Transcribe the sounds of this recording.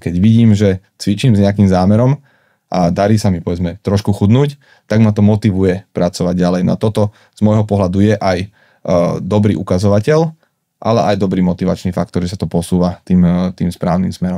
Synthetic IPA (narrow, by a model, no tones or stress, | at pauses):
kɛɟʋiɟiːmʒɛ | t͡sʋit͡ʃiːmzɲɛakiːmzaːmɛɾɔm | ʔad̪aɾiːsamipɔʋɛd͡zmɛt̪ɾɔʃkuxud̪nuːc | t̪aɡmat̪ɔmɔt̪iʋujɛpɾat͡sɔʋaɟ̚ɟalɛjnɔ̰a̰t̪ɔt̪ɔ | z̥mɔjɦɔpɔɦlad̪ujɛʔaj | d̪ɔbɾḭʔukazɔʋacɛl | ʔa̰lɛʔajd̪ɔbɾiːmɔt̪iʋat͡ʃniːfakt̪ɔɾʒɛsat̪ɔpɔsuːʋat̪iːmt̪iːmspɾaːʊnḭmsmɛɾɔm